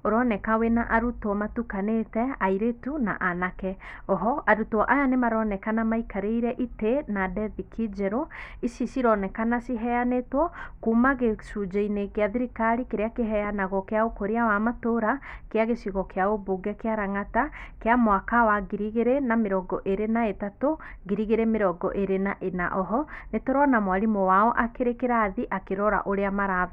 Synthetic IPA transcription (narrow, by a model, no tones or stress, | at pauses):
oɾɔnɛkawenaʔaɾutɔmatukanetɛaiɾetuna̰ʔanakɛɔɦɔʔaɾutɔʔajanemaɾɔnɛkanamaikaɾeiɾɛʔitenadɛvikʰid͡ʒɛɾoisisiɾɔnɛkanasiɦɛjanetwɔkumaɣesud͡ʒeinekeaðiɾikaɾikeɾeakeɦɛjanaɣɔkeaokoɾeawamatoɾakeaɣesiɣɔkeaoboɡɛkeaɾaŋatakeamwakawaɡiɾiɣeɾenameɾɔɡɔʔeɾenaetatoɡiɾiɣeɾemeɾɔɡɔʔeɾenaʔena̰ʔɔɦɔnetoɾɔnamwaɾimɔwaɔʔakeɾekeɾaðiʔakeɾɔɾa̰ʔoɾeamaɾav